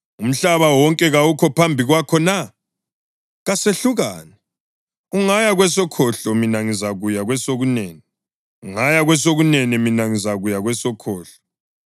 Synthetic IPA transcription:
um̩ɬaβawɔŋkʼɛɣaukʰɔpʰambʱiɣwakʰɔna | ɣaseɬuɣaːnɛ | uŋajaɣwɛsɔkʰɔɬɔminaŋizaɣujaɣwɛsoɣunɛːni | uŋajaɣwɛs̬oɣunɛnɛminaŋizaɣujaɣwɛsɔkʰɔːɬɔ̥

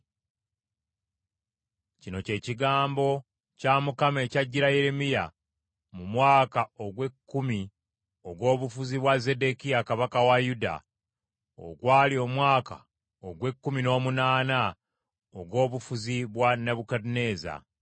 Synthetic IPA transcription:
cino̞ce̞ːciɡaːmbo̞ | camukame̞caɟːiɾaje̞ɾemija | mumwaːkao̞ɡwe̞kːumi | oɡwo̞ːβufuziβwaze̞de̞kijakaβakawajuda̰ | o̰ɡwaːlio̞mwaːka̰ | oɡwe̞kːumino̞ːmunaːna | oɡwo̞ːβufuziβwaneβukadine̞ːza̰

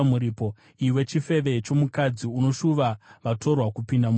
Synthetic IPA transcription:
muɾiːpo̞ | iwe̞t͡ʃife̞ʋe̞t͡ʃo̞mukad͡ziuno̞ʃuʋaʋatʰo̞rwakupindam

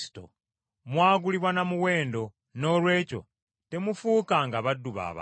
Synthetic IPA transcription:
i̥to̰ | mwaːɡuliβwanamuwe̞ːndo̞ | no̞lwe̞ːco̞̰ | te̞mufuːkaŋɡaβadːuβa̰βa̰

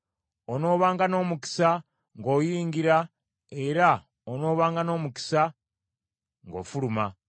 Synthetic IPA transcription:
ono̞ːβaːŋɡano̞ːmuki̥sa | ŋɡo̞ːjiːŋɡiɾa | e̞ɾa | ono̞ːβaːŋɡano̞ːmuki̥sa | ŋɡo̞̰ːfuluma

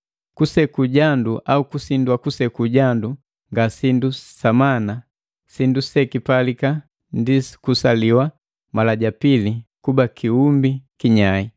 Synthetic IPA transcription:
kusɛkuɟanduʔaukusindwakusɛkuɟandu | ŋɡasindusamana | sindusɛkipalika | ndiskusaliwa | malaɟapilikubakʰiumbikiɲai

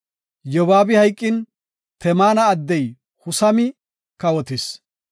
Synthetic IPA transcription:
jɔwaːbɪhɐjkʼːɪn | t̪ɛmaːnɐːd̪ːɛj | hʊsɐmɪ | kɐwɔt̪ɪs

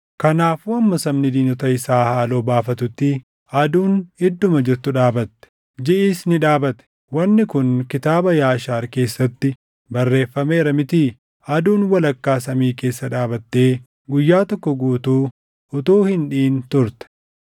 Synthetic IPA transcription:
kɐnaːfuːɐmːɐsɐmnɪd̪iːnɔt̪ɐɪsaːhaːloːbaːfɐt̪ʊt̪ːɪ | ɐd̪uːnɪd̪ːʊmɐd͡ʒɪɾt̪ʊᶑaːbɐt̪ːɛ̥ | d͡ʒɪʔiːsnɪᶑaːbɐt̪ɛ̥ | wɐnːɪkʊnkɪt̪aːbɐjaːʃaːɾke̞ːsːɐt̪ːɪ | bɐrːe̞ːfːɐmeːɾɐmɪt̪iː | ɐd̪uːnwɐlɐkːaːsɐmiːke̞ːsːɐᶑaːbɐt̪ːe̞ː | ɡʊjːaːt̪ɔkːɔɡuːt̪uː | ʊt̪uːhɪnᶑiːnt̪ʊɾt̪ɛ̥

